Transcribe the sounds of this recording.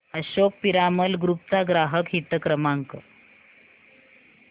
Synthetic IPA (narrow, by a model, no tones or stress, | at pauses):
əɕok̚piɾaməlɡɾup̚t͡saɡɾaɦəkɦit̪əkɾəmaŋkə